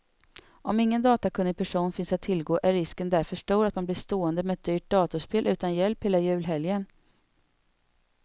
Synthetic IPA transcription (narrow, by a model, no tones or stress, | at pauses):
ʔɔmɪŋːənd̪ɑːt̪akʰɵnːɪpʰæʂuːnfɪnsat̪ʰːɪlɡoːʔæɾɪskənd̪æɾfœʂʈuːɾat̪manblɪʂt̪oːənd̪əmɛɛt̪̚d̪yːʈ̚d̪ɑːt̪ʊʂpeːlʔʉ̟ːt̪anjɛlpheːlajʉ̟ːlɦɛljən